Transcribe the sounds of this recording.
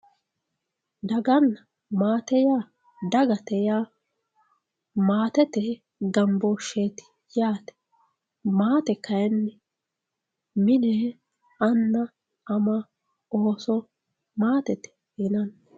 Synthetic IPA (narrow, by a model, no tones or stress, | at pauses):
d̪ɐɡɐnːɐ | maːt̪ɛjaː | d̪ɐɡɐt̪ɛjaː | maːt̪ɛt̪ɛ | ɡɐmboʃeːt̪ɪ̥ | jaːt̪ɛ̥ | maːt̪ɛkɐjɛnːɛ | mɪneː | ɐnːɐ | ɐmɐ | oːsɔ | maːt̪ɛt̪ɛ̥ | ɪnɐn